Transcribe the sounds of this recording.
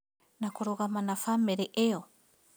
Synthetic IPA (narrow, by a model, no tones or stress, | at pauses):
nakoɾoɣamanafameɾeʔeo